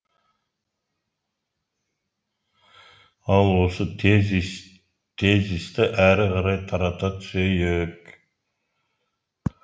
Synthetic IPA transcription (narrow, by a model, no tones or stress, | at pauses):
ɑlˠwo̞sə | t̪ʰezist̪ɪʔæɾɪʁɑɾɑjt̪ʰɑɾɑt̪ɑt̪ʰʏ̥sejek